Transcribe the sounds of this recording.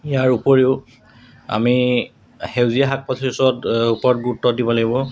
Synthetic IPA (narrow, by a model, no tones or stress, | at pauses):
ijaɹupoɹiʊ | a̰mi | hewziaɦak̚pɔtʰesɔtupɔɹɔtɡutːɔdibɔlaɡibɔ